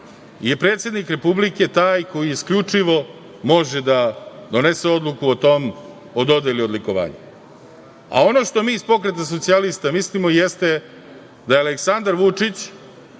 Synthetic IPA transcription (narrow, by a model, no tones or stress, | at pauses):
je̞pɾe̞ːt̪sje̞d̪nikɾe̞publike̞t̪aːjko̞jiiskʎut͡ʂiʋo̞ | mo̞ʒed̪ad̪o̞nese̞o̞d̪lˠukuot̪o̞m | od̪o̞d̪eliod̪liko̞ʋa̰ːɲa̰ | a̰o̞no̞ʃt̪o̞miːspo̞kɾe̞t̪as̬o̞t̪sialist̪amislimoijest̪e̞ | d̪ajealeksand̪aɾʋut͡ʂit͡ɕ